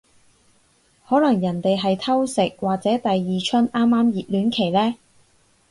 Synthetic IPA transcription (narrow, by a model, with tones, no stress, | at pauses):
hɔː˨˥lɐ˨˩ŋjɐ˨˩nt̪e˨jɦɐ˨jt̪ʰɐ˥wsɪ˨k̚waː˨k̚t͡sɛː˨˥t̪ɐ˨jːiː˨t͡ʃʰɵ˥naː˥mːaː˥mjiː˨t̚lyː˨˥nkʰe˨˩jlɛː˥